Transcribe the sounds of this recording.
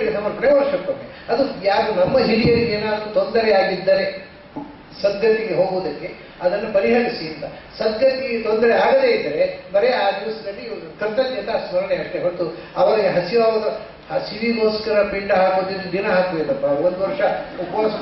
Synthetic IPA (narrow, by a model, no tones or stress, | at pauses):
kːet̪ɐmːɐpɾɐjɐʋɐɾʂɐkːɐʈːe | ɐd̪ujaːɡunɐmːɐɦilijɐlːieːnaːd̪ɾut̪ond̪ɐɾɛaːɡid̪ːɐɾe | sɐd̪ʱjɐt̪iɡeɦoːɡuʋd̪ɐkːe̞ | ɐd̪ɐnːupɐɾiɦɐɽisiɐnt̪ɐ | sɐd̪ʱjɐt̪iɡet̪ond̪ɐɾɛaːɡɐd̪eːid̪ːɐɾebɐɾɛjɐaːd̪iʋɐsɐd̪ɐlːiːʋɐk̪ɐɾd̪ɐd̪ɐnt̪ɐsmɐɾɐɳeɐʂʈeɦot̪uɐʋɐɾɐɡeɦɐsiʋaːɡɐd̪ɐ | hɐsiʋiɡoːskɐɾɐpiɳɖɐɦaːkud̪id̪ːud̪inɐɦaːkuʋejd̪ɐpːɐond̪uʋɐɾʂɐupɐaːsɐ